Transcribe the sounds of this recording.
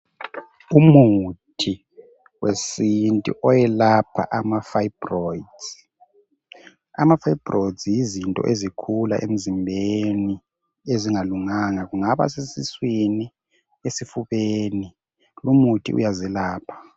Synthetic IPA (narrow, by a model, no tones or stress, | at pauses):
umutʰi | wesintʼṵʔɔjɛlapʰa̰ʔamafaibrɔjdz̥ | amafaibrojdzjizintʼɔ̰ʔezikʰula̰ʔḛm̩zimbʱeni | eziŋaluŋaŋaɣuŋaβa̰sesiswini | esifuβeni | lumutʰḭʔṵjazilaːpʰḁ